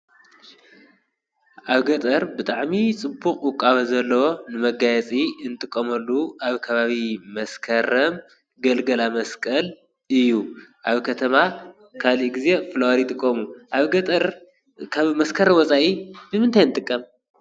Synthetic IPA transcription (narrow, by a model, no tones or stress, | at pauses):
ʔaβɡɐt̪ʼɐɾbɨt̪ʼaʕmit͡sʼɨbuχʼwʊkʼaβɐzɐlːɐwonɨmɐɡajɛt͡sʼiɨnt̪ʼɨkʼːɐmɐlːuʔaβkʰɐβaβimɐskʰɐɾɐm | ɡɐlɡɐlamɐskʼɐl | ɨjːuʔaβkʰɐt̪ʰɐma | kʰaliʔɡize̞flɐwaɾit̪ʼɨkʼːomuʔaβɡɐt̪ʼɐɾ | kʰaβmɐskʰɐɾɐmwɔt͡sʼaʔibɨmɨnt̪ʰajɨnɨt̪ʼɨkʼːɐm